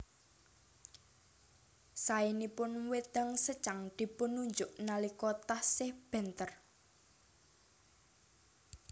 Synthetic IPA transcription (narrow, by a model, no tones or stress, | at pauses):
sainipʊnwed̪̥a̤ŋsət͡ʃaŋd̪̥i̤pʊnːuɲd͡ʒʊʔnalikɔt̪ahsɪhb̥ɛ̤nt̪ər